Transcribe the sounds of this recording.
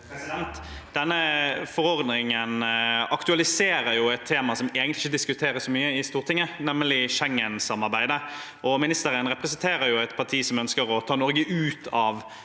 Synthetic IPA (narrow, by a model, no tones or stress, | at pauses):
ɛnt̪ | d̪ɛnːəfɔɾɔɾd̪nɪŋənɑkt̪ʉɑlɪseːɾəɾjʊɛt̪ʰːeːmɑsɔmeːɡənlɪçəd̪ɪskʉt̪ʰeːɾəsɔmyːəɪst̪uːʁt̪ɪŋːənɛmːəlɪʃɛŋːənsɑmːɑʁbæɪd̪ə | ʔɔmɪnɪst̪əɾənɾɛpʁəsənt̪ʰeːɾəɾjʊɛt̪pʰɑt̪ʰiːsɔmœnskəɾɔt̪ʰɑːnɔɾɡəʔʉːt̪ʰɑʋ